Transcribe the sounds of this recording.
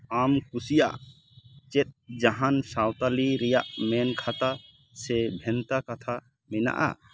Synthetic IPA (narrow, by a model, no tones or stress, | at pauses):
amkusija̰ʔ | t͡ʃɛt̪̚d͡ʒaɦansawt̪aliɾɛjaʔmɛnkʰat̪a | sɛbʱɛnt̪akat̪ʰa | mɛna̰ʔa̰